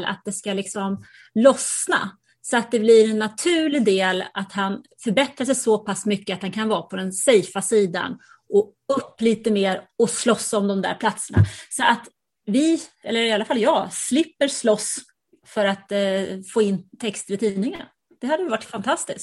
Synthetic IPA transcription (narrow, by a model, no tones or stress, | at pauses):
la̰t̪̚d̪ɛskalɪksɔm | lɔsna̰ | sɔat̪̚d̪ɛblɪɾɛnːat̪ʰʉ̟ːɭɪd̪eːlat̪hanfœɾbɛt̪ɾaʂ̬ɛjsɔpʰasmʏkːəat̪hankʰanvɑːpʰɔd̪ɛnsɛjfasiːd̪a̰n | ʔɔ | ɵpːliːt̪əmeːɾɔslɔsːɔmd̪ɔmd̪æ̰ːɾpʰlat̪səɳa̰sɔʔat̪ | vɪɛlːəɾɪalːafalːjɑːslɪpːəɾslɔs | fœɾat̪foːɪnːt̪ʰɛkst̪ɾɪt̪ʰiːnɪŋən | d̪̥ɛhad̪ːəjʏvaʈːfant̪ʰast̪ɪsk